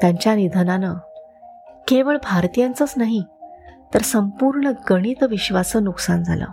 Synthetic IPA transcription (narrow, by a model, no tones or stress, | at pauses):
t̪jaɲt͡ɕjanid̪ʱənanə | keʋəɭbʱaɾt̪ijãnt͡sət͡snaɦit̪əɾsəmpuɾɳəɡəɽ̃it̪ʋiɕʋasənuksand͡zʱa̰lə̰ː